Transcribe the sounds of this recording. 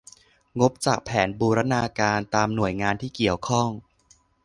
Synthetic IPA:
ŋo˦˥p̚t͡ɕaː˨˩k̚pʰɛː˩˦nbuː˧ɾa˦˥naː˧kaː˧nt̪aː˧mnu˨˩əjŋaː˧nt̪ʰiː˥˩ki˨˩əwkʰɔ˥˩ŋ

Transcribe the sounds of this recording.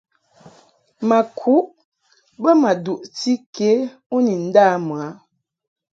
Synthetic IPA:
ma˨kʰu˦ʔ | bə˦ma˨du˨ʔti˦ke˨˦ | u˦ni˨n̩˦daː˦m˨a˨˦

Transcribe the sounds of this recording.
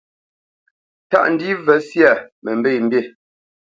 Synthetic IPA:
ta̰˦ʔn̩˦di˦vɛ˨˦sja˨mɛ˨m̩˨be˦˨m̩˦bje˦˨

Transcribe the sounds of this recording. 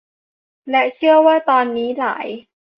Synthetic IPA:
lɛ˦˥t͡ɕʰɯ˥˩əwaː˥˩t̪ɔː˧nːiː˦˥la̰ː˩˦j

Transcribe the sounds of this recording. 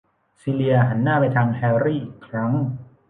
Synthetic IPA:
siː˧li˧ɐɦa˩˦nːaː˥˩pa˧jt̪ʰaː˧ŋhɛː˧ɾiː˥˩ʔiː˨˩kʰɾa˦˥ŋ

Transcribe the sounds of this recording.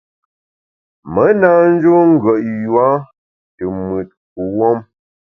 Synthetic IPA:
mə˨˦na˦n̩˦d͡ʒo˦ŋ̩˦ɡɥə˨ʔjwa˦ | tə˨mwə˨t̚ku˨wɔ˦m

